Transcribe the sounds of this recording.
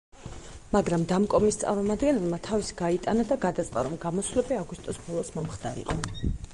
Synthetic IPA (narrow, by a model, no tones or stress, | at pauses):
maɡɾamd̪amkʼɔmist̪sʼa̰ɾmɔmad̪ɡɛnɛlˠmat̪ʰavisi̥ɡ̥ait̪ʼanad̪aɡad̪at̪sʼqʼaɾɔmɡamɔsvlɛbiaɡust̪ʼɔsbɔlˠɔsmɔmχd̪a̰ɾḭqʼɔ